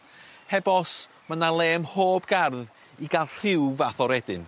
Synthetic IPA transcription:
hɛbɔs | manalˠeːmhoːbɡarð | iɡalˠr̥ɪwvaθɔɾɛdɨn

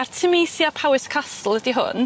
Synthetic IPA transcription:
artʰəmejsjapʰawɪskʰastl̩ˠədiɦʊ̰n

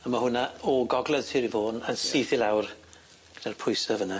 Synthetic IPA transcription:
əmahʊnaɔɡɔɡlˠɛð̥tʰɪːɾivoːnənsiːθɪlˠawr | ɡ̥əd̥arpʰʊjsɔvəna

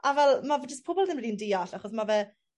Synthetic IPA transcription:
avɛlˠmavɛd͡ʒəspʰʊbɔlˠðɪmliːndiːaɬaχɔsmavɛ

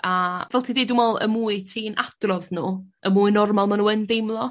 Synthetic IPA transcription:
avɛlˠtʰidedumɔlˠə̰muːɨtʰiːnʔad̥rɔvnuːəmuːɨnɔrmalˠmanuːəndejmlˠɔ

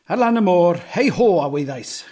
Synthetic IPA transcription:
alˠanəmoːrhejhoːawejðajs

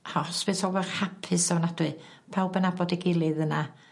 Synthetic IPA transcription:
hɔsv̥ɨshɔlˠvɛrhapʰɨsanad̥wɨ | pʰawbɛnabɔdiɡɪlˠɨðəna

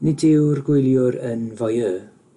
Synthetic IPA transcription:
nɪdɪwrɡwɪjlˠjʊɾənvɔjəː

